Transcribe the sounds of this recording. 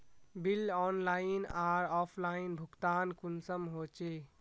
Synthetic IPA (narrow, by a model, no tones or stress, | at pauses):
bilɔnlainaɾɔpʰlainbʱukt̪ankunsəmɦot͡ʃe